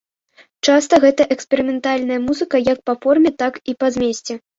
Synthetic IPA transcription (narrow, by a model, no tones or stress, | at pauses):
t͡ʂast̪ɐɣɛt̪ɐʔɛkspʲɛɾɨmʲɛnt̪alʲnɐjɐmuzɨkɐjɐk̚pɐfɔrmʲɛt̪akipɐzʲmʲesʲt͡sʲɛ